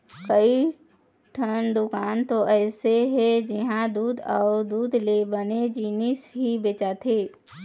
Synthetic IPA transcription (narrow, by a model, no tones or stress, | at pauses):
kəi | ʈʰənd̪ʊkaːnt̪oʔɛːseɦɛd͡ʒɪɦãd̪uːd̪aːd̪uːd̪lebəned͡ʒiːnɪsɦibeːt͡ʃat̪ʰeː